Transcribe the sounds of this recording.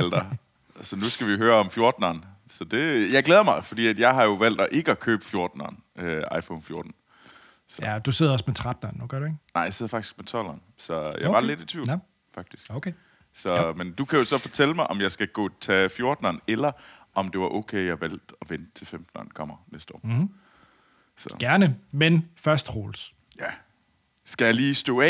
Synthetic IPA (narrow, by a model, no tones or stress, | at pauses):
æld̥ɐ | sɒ̽nusɡ̥æʋiɦøːɐɒ̽mfjo̝ɐd̥n̩ɐːn | sɒ̽d̥e̝jɑɪɡleːð̞ˠɐmɑ̈ɪfɒ̽d̥ḭːæd̥jɑ̈ɪɦɑ̈jo̝ʋæl̰d̥ɒ̽ʔe̝ɡ̥əɒkʰø̰ːb̥ə̥fjo̝ɐd̥n̩ɐ̰ːn | ʔøɑ̈ɪfɔnfjo̝ɐd̥n̩ | sɒd̥useð̰ˠɐɒsmet͡sʰʁad̥nɐnːuɡ̥ɶɐɾuenɑ̈ɪjaseð̰ˠɐfɑɡ̥d̥i̥sɡ̥met͡sʰɒ̽l̰ɐːn | sɒ̽jɑ̈b̥ɑ̈led̥it͡sʰʋḭʊ | fɑ̈ɡ̥d̥isɡ̥oʊkʰe | sɒ̽mend̥ukʰæjosɒ̽fɒ̽t͡sʰeləmɑ̈ɪʔɒ̽mjɑ̈ɪsɡ̥æɡ̥ɔ̰ːt͡sʰɛfjo̝ɐd̥nɐːnelɐʔɒ̽md̥e̝ʋɑ̈ʔɔʊkʰeːɪjɑ̈ʋæl̰d̥ɒʋenət͡sʰe̝lfemd̥n̩ɐːnkʰɒ̽m̰ɐnesd̥ə̥ɒ̰ː | sɒɡ̥æɐnəmenfɶɐsd̥ʁoːls | jæ | sɡ̥æjaliːsd̥ɔ̰ːɛ